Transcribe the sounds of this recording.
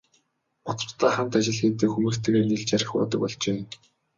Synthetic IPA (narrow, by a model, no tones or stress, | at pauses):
ʊt͡sə̥̆t̪aːχant̪at͡ɕɪ̆ɮxeːt̪ɘ̆ːkxumɘ̆kt̪ʰeːɣeːrniɮt͡ɕaɾʲɪ̆χpɔ̰ːt̪ə̆k̚pɔɮt͡ɕeː